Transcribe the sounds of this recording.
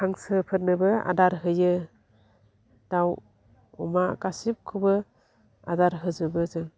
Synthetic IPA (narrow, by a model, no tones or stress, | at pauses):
kʰaŋsɯpʰɯt̚nɯbɯa̰daɾɦɯjɯ | d̥aw | ɔmakasip̚kʰubɯ | a̰daɾɦɯzɯbɯzɯŋ